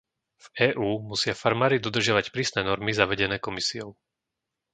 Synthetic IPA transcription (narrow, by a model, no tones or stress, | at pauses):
vɛːʔuːmusɪafaɾmaːɾid̪ɔd̪r̩ʒɪaʋacpɾiːsnɛːnɔɾmizaʋɛɟɛnɛːkɔmisiɔʊ